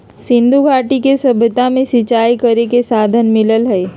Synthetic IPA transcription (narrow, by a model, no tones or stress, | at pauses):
sɪ̃nd̪ʱuɡʱaːʈikesɐbʱət̪amẽsɪt͡ʃaːikəɾekesaːd̪ʱənmɪləlɦɛː